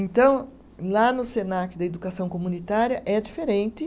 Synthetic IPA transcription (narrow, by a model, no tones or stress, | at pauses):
ẽnt̪ɐ̃w̃ | lanʊsenakʊd̪ɐed̪ukasɐ̃w̃komunit̪aɾjɐʔɛd͡ʒifeɾẽnt̪ɪ